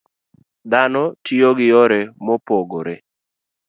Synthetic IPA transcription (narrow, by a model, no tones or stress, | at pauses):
d̪anɔtioɡɪɔɾɛmɔpoɡoɾḛ